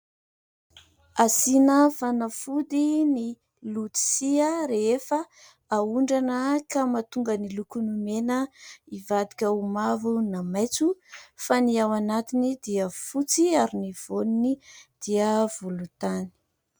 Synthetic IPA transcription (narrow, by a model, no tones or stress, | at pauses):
asinəfanəfud̪ini | lut̪i̥siəɾeefə | auɳɖ͡ʐanəkamat̪uŋɡənilukunumenəivad̪ikʲəumavunamajt͡sufaniawanat̪inid̪iəfut͡siaɾiniv̥onunid̪̥iəv̥ulut̪ani̥